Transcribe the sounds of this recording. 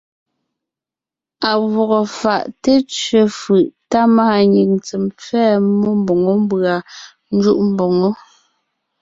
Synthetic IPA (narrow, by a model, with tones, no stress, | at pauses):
a˨wɔ˨ɣɔ˨fa˨ʔte˦t͡ʃɥe˨fɯ˨ʔta˦maː˦˨ɲi˨ŋt͡sɛ˨mp͡fɛː˦mɔ˦m˦bo˨ŋo˦m˦bɰa˨ | n̩˦d͡ʒu˦ʔm̩˦bo˨ŋo˦